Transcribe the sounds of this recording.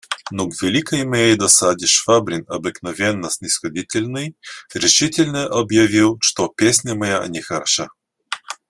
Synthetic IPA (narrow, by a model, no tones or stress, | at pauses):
noɡvʲɪlʲikəjmɐjejd̪ɐsad̪ʲɪʃfabɾʲɪnɐbɨknɐvʲenːəsʲnʲɪsxɐdʲitʲɪlʲnɨjɾʲɪʃitʲɪlʲnəʔɐbjɐvʲilˠʃt̪opʲesʲnʲɐmɐjanʲɪxɐɾɐʃa